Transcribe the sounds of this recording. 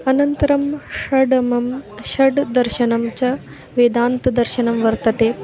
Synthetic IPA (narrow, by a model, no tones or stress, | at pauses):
ɐnɐnt̪ɐɾɐmʂɐɖɐmɐmʃɐɖd̪ɐɾʃɐɳɐmt͡ɕɐ | ʋeːd̪aːnt̪ɐd̪ɐɾʃɐnɐmʋɐɾt̪ɐt̪eː